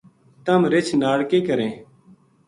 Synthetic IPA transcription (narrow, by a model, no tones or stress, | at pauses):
t̪əmɾɪt͡ʃʰnaːɽkeːkəɾẽː